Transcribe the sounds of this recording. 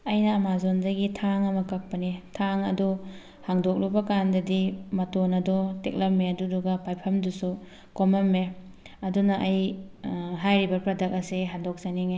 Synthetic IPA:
ɐjnɐːmazondɐɡitʰaŋɐmɐkɐk̚pɐnitʰaŋɐdu | haŋdok̚lubɐkandɐdimɐtonɐdɔtek̚lɐmːeɐduduɡɐpajpʰɐmdusu | komɐmːe | ɐdunɐʔɐj | ɦajɾibɐpɾɐdɐk̚ɐsiɦandɔk̚saniŋe

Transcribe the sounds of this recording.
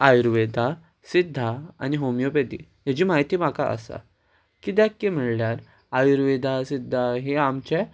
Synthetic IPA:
ajuɾʋed̪ʱa | sid̪ʱːaa̰niɦomjoped̪ḭ | ɦad͡ʑiːmaɦjt̪iːm̤akaʔə̰sa̰ | kid̪akːẽm̤iɭljaɾ | ajuɾʋed̪ʱasid̪ʱːaɦeamt͡ɕɛ

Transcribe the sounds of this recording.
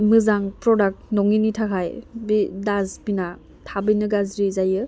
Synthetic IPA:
mɯzaŋpɾɔdak̚t̚nɔŋinitʰakʰajbidazpina | tʰabɯjnɯɡazɾizajɯ

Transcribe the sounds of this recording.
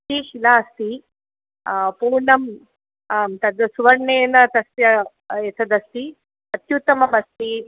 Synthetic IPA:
t̪iʃilaːst̪i | puːɾɳɐm | t̪ɐd̪suʋɐɾɳeːnɐt̪ɐsjɐ | et̪ʰɐd̪ɐst̪i | ɐt̪jut̪ɐmɐmɐst̪i

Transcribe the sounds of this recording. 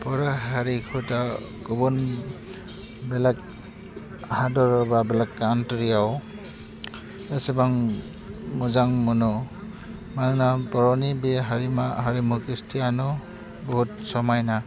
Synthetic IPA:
pɔɾaɦaɾikʰuta | kɔbun | bɛlak̚ | hadɔɾɔbabɛlakːantɔɾiaw | asebaŋ | muzaŋmɔnɔ | manɯnapɔɾɔnibeɦaɾimaɦaɾimukistʰianu | bɔɦut̚sɔmajna

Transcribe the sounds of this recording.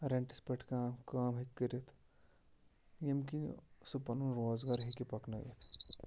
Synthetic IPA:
ɾeɳʈispeʈʰkaːmkaːmɦekːəɾit̪ʰ | jemki | supɐnunɾoːzɡaɾɦikipɐknɐjḛt̪ʰ

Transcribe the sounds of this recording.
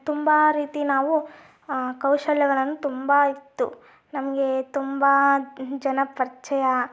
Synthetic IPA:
t̪umbɐɾiːt̪inaːʋu | kɐwʃɐljɐɡɐɭɐnːut̪umbɐit̪ːṵ | nɐmɐɡe̞t̪umbɐd͡ʒɐnɐpɐɾt͡ʃɐjɐ

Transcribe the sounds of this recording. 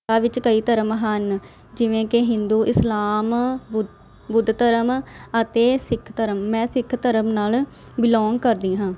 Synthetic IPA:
aːʋɪt͡ʃkəiːt̪əɾəmɦən | d͡ʒɪʋẽːkɪɦɪnd̪uːʔɪslaːm | bʊd̪t̪əɾəmət̪eːsɪkʰt̪əɾəmːɛ̃ːsɪkʰt̪əɾəmnaːl | bɪlɔːŋɡkəɾd̪iːɦãː

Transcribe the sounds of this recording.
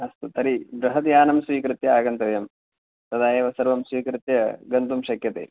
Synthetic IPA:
ɐst̪ut̪ɐɾibɾɐɦɐt̪jaːnɐmsʋiːkɾɨt̪jɐaːɡɐnt̪ɐʋɐjɐm | t̪ɐd̪aːjeːʋɐsɐɾʋɐmsʋiːkɾɨt̪jɐɡɐnt̪umʃɐkjɐt̪ḛː

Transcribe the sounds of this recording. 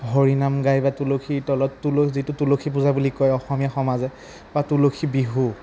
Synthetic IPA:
ɦɔɹinamɡajbatulokʰitɔlɔtːulozitʊtulokʰipuzabulikɔjɔxɔmijaxɔmazɛ | batulokʰibiɦu

